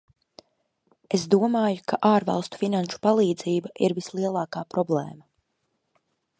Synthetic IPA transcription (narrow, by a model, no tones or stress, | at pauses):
esd̪uɔmaːjukʰaʔaːɾvɑ̰lˠst̪u̥finanʃu̥palˠiːd̪ziːbaʔiɾvislˠiɛlˠaːkaːpɾɔblˠɛ̰ːma